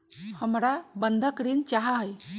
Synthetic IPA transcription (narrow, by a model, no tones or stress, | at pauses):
həmɾabənd̪ʱakɾint͡ʃaɦaɦj